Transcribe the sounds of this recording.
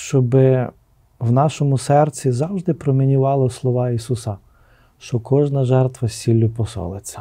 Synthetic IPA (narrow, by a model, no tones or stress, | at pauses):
ʃt͡ʃɔbɪ | wnɑʃɔmʊsɛrt͡sʲizɑwʒd̪ɪpɾɔmʲinʲʊʋɑlˠɔslˠɔʋɑisusɐ | ʃt͡ʃɔkɔʒnɐʒɛrt̪ʋɐsʲilʲːʊpɔsɔ̰lˠet͡sʲːɐ̥